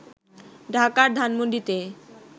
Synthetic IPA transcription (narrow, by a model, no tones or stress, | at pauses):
ɖʱakaɾd̪ʱanmond̪ɾit̪e